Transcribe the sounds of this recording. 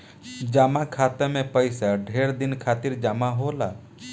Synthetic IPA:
d͡ʒaːmakʰaːt̪emẽpəɪsaɖʱeːɾd̪ɪnkʰaːt̪ɪɾd͡ʒaːmaɦola

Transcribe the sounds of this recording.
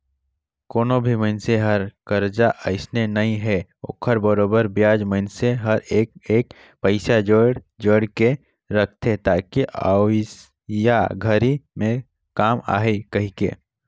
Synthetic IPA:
koːnobʱiməɪnseɦəɾkəɾd͡ʒaʔəɪsnenɐɦĩɦɛo̰ːkʰəɾbəɾoːbəɾbjaːd͡ʒməɪnseɦəɾeeːk̚ | pəɪsad͡ʒəɽ | d͡ʒəɽke | ɾəkʰt̪ʰet̪aːkiʔas | jaɡʱəɾimẽ | kaːma̰ːɦekɐɦikḛː

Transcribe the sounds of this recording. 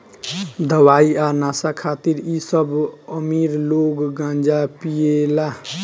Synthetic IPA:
d̪ʱəwaianasakʰat̪iɾisəbəmiɾloɡːãnd͡ʒapiela

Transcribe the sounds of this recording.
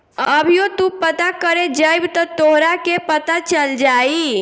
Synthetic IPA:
əbʱjot̪upət̪akəɾed͡ʒəjbt̪ɔt̪oɦɾakepət̪at͡ʃəld͡ʒaːi

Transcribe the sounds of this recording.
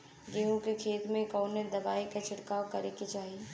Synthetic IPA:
ɡeːɦũkekʰeːt̪mẽkɔːnẽd̪ɐbaːikat͡ʃʰɪɽkaːwkɐɾeket͡ʃaːɦie

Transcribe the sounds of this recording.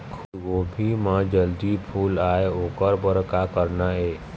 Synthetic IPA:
kʰɡoːbʱimãd͡ʒəld̪ipʰuːlaːeoːkəɾbəɾkakəɾnaeː

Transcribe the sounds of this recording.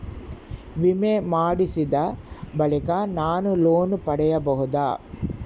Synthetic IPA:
ʋimemaːɽisid̪ɐbɐlikɐnaːnuloːnupɐɽɛjɐbɐɦud̪a̰ː

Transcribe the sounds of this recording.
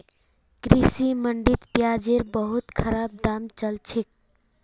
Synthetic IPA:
ɡɾisiməɳɖit̪pjad͡ʒeɾbəɦut̪kʰəɾab̚d̪amt͡ʃəlt͡ʃʰek̚

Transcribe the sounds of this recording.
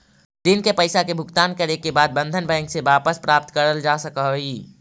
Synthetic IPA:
d̪ɪnkepɐɪsakebʱʊɡt̪aːnkɐɾekebaːd̪̚bə̃nd̪ʱənbɛ̃ːŋkseʋaːpəspɾaːp̚t̪kɐɾəld͡ʒaːsɐkaɦiː

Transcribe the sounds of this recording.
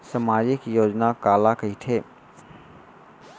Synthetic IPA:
samad͡ʒikjod͡ʒnakalakəiʈ̪ʰe

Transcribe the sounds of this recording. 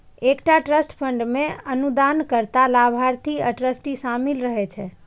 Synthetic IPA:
ekʈaʈɾəsʈpʰəɳɖmẽənud̪ankəɾt̪alabʱaɾt̪ʰiəʈɾəsʈisamilɾəɦɛt͡ʃʰɛ

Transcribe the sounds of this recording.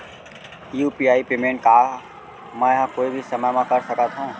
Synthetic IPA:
ijuːpiaːipeːmẽːɳʈ̚ka | mãːjɪɦãkoːibʱisɐməjmãkɐɾsɐkat̪ʰɦũː

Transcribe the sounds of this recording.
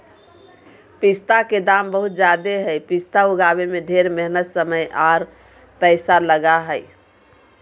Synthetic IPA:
pist̪aked̪ambəɦut̪̚d͡ʒad̪eɦəjpist̪auɡaβemeɖʱeɾmeɦnət̪səməjʔaɾ | pəɪsaləɡaɦəj

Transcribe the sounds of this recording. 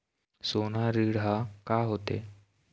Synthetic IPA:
sonaɾiɽɦakaɦot̪ḛ

